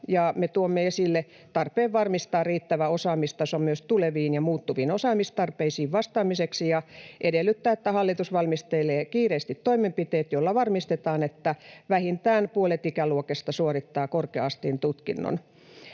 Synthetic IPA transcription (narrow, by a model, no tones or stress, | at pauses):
jɑmet̪uomːeesilːe | t̪ɑrpeːʋʋɑrmist̪ɑːrriːt̪ːæʋæosɑːmist̪ɑsommyøst̪uleʋiːnjɑmuːt̪ːuʋiːnosɑːmist̪ɑrpeisiːʋʋɑst̪ɑːmiseksijɑʔedelːˑyt̪ːæːet̪ːæhɑlːit̪usʋɑlmist̪eleːkiːreːˑst̪it̪toimempit̪eːt̪jolːɑʋɑrmist̪et̪ɑːnet̪ːæʋæhint̪æːnpuolet̪ikæluokest̪ɑsuorit̪ːɑːkorkeɑst̪int̪ut̪kinːo̰n